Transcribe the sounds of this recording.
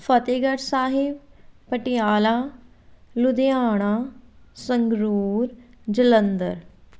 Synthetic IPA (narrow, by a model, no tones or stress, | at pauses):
fʰət̪eːɡəɾsaːɦɪbpəʈɪjaːlaː | lʊd̪eaːɽ̃aːsəŋɡɾuːɾ | d͡ʒələnd̪ə̰ɾ